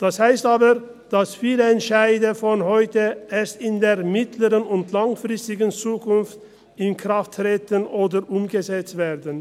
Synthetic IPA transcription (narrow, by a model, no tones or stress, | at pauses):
d̥ashaɪstaːbəʁ | d̥asfiːləɛntʃaɪdɐfɔnɦɔʏtəʔeːɐstɪndeːɐmɪtʰləʁənʊntlaŋfʁ̥ɪstɪɡən̩t͡suːkʊnft | ɪnkʁ̥aftʁ̥eːtənʔoːdəʁʔʊmɡəzɛt͡stv̥eːʁdən